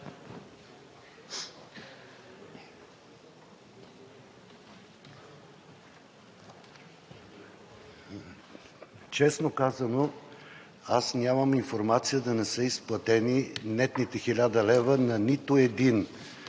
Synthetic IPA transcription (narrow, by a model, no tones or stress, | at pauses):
t͡ʃɛsnokazɐno | asnʲaməminfoɾmat̪sijəd̪ɐnɛsəisplˠɐt̪ɛninɛt̪nit̪ɛxilʲad̪ɐlɛvənɐnit̪oɛd̪in